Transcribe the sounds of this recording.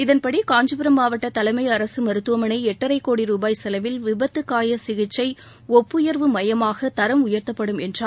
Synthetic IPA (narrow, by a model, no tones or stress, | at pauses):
ɪðɐnpɐɽikaːɲd͡ʒɐpɪɾɐmaːʋɐʈːɐt̪ɐlɐɪmɐɪɐɾɐsɯmɐɾɯt̪ːɯʋɐmɐnɐɪɛʈːɐɾɐɪkːoːɽiɾuːbaːjsɛlɐʋɪlʋɪbɐt̪ːɯkːaːjɐsɪɣɪt͡ʃːɐɪ | ɔpːɯjɐɾʋɯmɐjɐmaːɣɐt̪ɐɾɐmʊjɐɾt̪ɐpːɐɽɯmɛndraː